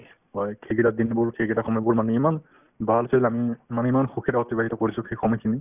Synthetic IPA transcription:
ɦɔjkʰeɡidad̪inbuɹkʰeɡidaxɔmɔjbuɹmanuiman | bʱalsʰelamimanuimanxukʰidaɔtibaɦitɔkoɹisʊkʰexɔmɔjkʰini

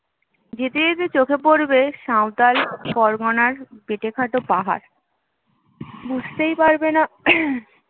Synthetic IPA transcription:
d͡ʑet̪eet̪et͡ɕokʰepoɾbeʃawt̪alkɔɾɡɔnaɾbeʈekʰaʈopaɦa̰ɾ | bud͡ʑʱt̪ejpaɾbena

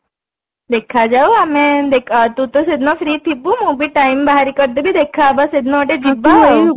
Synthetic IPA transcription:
d̪ekʰad͡ʒauamẽd̪ekʰt̪ut̪osed̪nofɾiːt̪ʰibũmũbiʈaimbaɦaɾikəɾd̪ebʱid̪ekʰaːbased̪nɔʋaʈed͡ʒibːaɦo

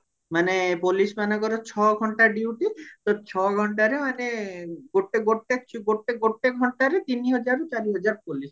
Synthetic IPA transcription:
manepolismanɔkɔɾɔt͡ʃʰɔɡʱɔɳʈaɖiwʈit̪ɔt͡ʃʰɔɡʱɔɳʈaɾemaneɡoʈeɡoʈekt͡ʃɡoʈeɡoʈːeɡʱɔɳʈaɾet̪iniɦɔd͡ʒaɾot͡ʃaɾiɦɔd͡ʒaɾpolis

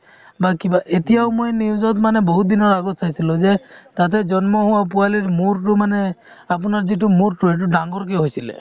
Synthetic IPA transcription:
bakibaʔet̪ijaʊmujniud͡ʒɔt̪maneboɦut̪̚d̪inɔɾaɡɔt̪ʰsʰajsʰiluzet̪at̪̬ed͡ʒɔnmɔɦuwap̬ualiɾmuɾʈumane | ap̬ɔnaɾziʈ̬umuɾʈueʈ̬uɖaŋɡɔɾk̬eɦojsʰilḛ

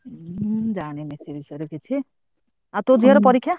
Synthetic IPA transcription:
d͡ʒaɽ̃emesebisɔjɾoket͡ʃʰi | at̪od͡ʒʱiɔɾɔpɔɾikʰːja

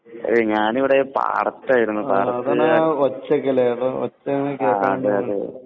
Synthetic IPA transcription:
ɐ̰ɨɲaːniʋiɽepa̰ːɽɐt̪ːaːjiɾunːupaːɽɐtːɐðaot͡ɕːɐkːɐleɽɨo̰t͡ɕːɐkːeːaðɨɐɨ

